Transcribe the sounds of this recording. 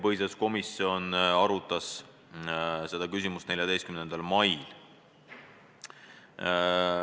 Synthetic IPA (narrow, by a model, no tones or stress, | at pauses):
pɤɦjsɑsko̞misio̞nɑɾut̪ːˑɑs | se̞d̪̥ɑkys̬ʲimust̪ne̞ljɑd̪e̞jst̪kymne̞nd̪̥ɑlmɑjl